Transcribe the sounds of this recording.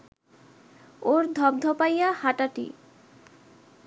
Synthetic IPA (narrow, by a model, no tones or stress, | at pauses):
oɾd̪ʱɔb̚d̪ʱopajahaʈaʈḭ